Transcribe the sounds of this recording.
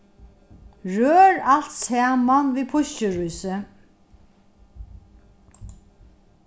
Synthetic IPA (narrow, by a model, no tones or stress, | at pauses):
ɹøːɹal̥t̪sæːmanviːpʰʊɕcɪɹujsɪ